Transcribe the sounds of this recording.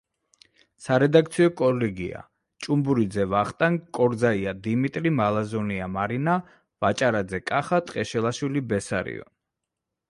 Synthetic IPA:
saɾɛd̪ak̚ʰt̪sʰiɔkʼɔlɛɡia̰ | t͡ʃʼumbuɾid̪zɛvaχt̪ʼaŋkʼɔɾd̪zaiad̪imit̪ʼɾimalˠazɔniamaɾina | vat͡ʃʼaɾad̪zɛkʼaχat̪ʼqʼɛʃɛlˠaʃwilibɛsa̰ɾḭɔ̰

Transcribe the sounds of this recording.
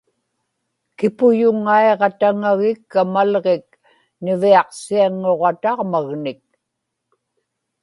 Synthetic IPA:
kɪpʊjʊŋːaeʁɑt̪aŋaɣɪkːamalʁek̚ | nɪviɑqsiaŋːoʁɑt̪ɑʁmaɣnɪk̚

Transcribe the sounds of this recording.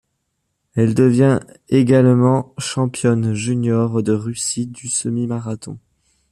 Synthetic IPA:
ɛld̪əvjɛ̃ | eɡalmɑ̃ʃɑ̃pjɔnʒynjɔʁd̪əʁysid̪ysəmimaʁat̪ɔ̰̃

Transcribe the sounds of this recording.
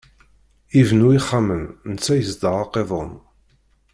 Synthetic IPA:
ivnuiχːaməmnət͡sːæjəzd̪əʁɑqːeðˤo̰m

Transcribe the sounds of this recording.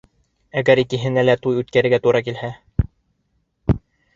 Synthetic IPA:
æɡæɾikɘ̆ɦɘ̆nælæt̪ujʉt̪̚kæɾɘ̆ɾɡæt̪uɾɑkilhæ

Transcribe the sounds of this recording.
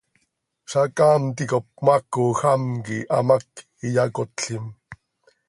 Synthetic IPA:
ʃakaːmt̪ikop̚makoxamkiʔa̰mak | ijakot̪ɬim

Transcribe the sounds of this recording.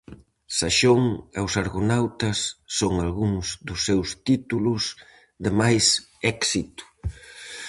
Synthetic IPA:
saʃoŋewsaɾɣonawt̪ɐsːoŋalɣuŋzðd̪ʊsːewst̪it̪ulʊs | ðɪmajs | ɛksit̪ʊ̥

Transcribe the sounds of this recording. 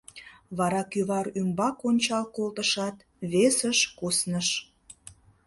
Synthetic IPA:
βɑɾɑkyβɑɾrymbɑkonʲt͡ɕɑlkolt̪əʃɑt̪ | βesəʃkusnəʃ

